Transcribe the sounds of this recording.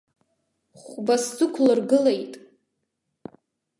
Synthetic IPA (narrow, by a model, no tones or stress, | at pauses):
χʷbaszɨkʷʰlɨrɡɨlejtʼ